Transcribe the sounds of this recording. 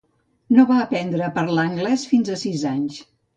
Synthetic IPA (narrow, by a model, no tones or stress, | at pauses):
noβaəpɛnd̪ɾəpəɾlaəŋɡlɛsfinzəsizaɲs